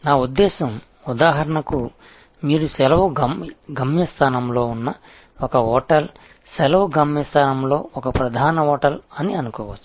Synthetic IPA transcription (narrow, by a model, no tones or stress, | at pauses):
naːud̪ːɛːsɐm | ud̪aːɦɐɾɐɳɐku | miːɾusɛlɐʋɐɡɐmɡʱɐmjɐst̪ʰaːnɐmlo̞ːunːɐ | ɔkɐɔːʈɐl | sɛlɐʋɐɡʱɐmjɐst̪ʰaːnɐmloːɔkɐpɾɐd̪ʱaːnɐɔːʈɐlɐniɐnukɔːʋɐt͡ʃːu̥